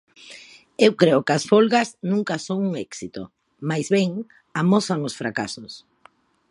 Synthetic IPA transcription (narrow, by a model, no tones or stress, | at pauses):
ewkɾeokasfolɣaznũŋkasoŋuŋɛksit̪o̰ | majzβeŋ | amɔθaŋosfɾakasʊs